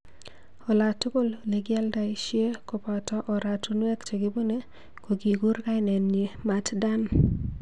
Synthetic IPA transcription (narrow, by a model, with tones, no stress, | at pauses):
ɔ˨la˨to˦ko˦lle˨ɡɪ˦a˦lda˨i˦ʃje˦ko˨pa˨tɔ˦ʔɔ˨ɾa˨to˦nwe˦kte˨ɡɪ˦bo˦ne˦ | ko˨ɡi˨ɡu˦ɾka˦ɪ˦nɛ˨nɲe˨ma˨tda˦n